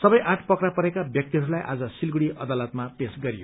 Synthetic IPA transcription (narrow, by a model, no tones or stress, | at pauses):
sʌbʌjʔaʈʰpʌkɾapʌɾekabjʌk̚t̪iɦʌɾulajʔa̰d͡zʌsilɡuɽiʔʌd̪alʌt̪mapesɡʌɾijo̰